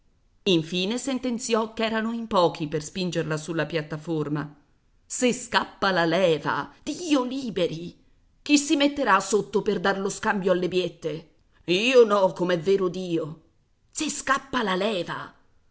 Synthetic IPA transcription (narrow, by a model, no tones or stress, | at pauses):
iɱfiːnesent̪ent̪sjɔkːɛːɾanoimpɔːkʰiperspind͡ʒerlasulːapjat̪ːaforma | seskapːalalɛːva̰d̪̥iːoliːbeɾi | k̟isːimet̪ːeɾasot̪ːoperd̪arloskambjoalːebjet̪ːe | iːonɔkːomɛvːeːɾod̪iːo | seskapːalalɛːva̰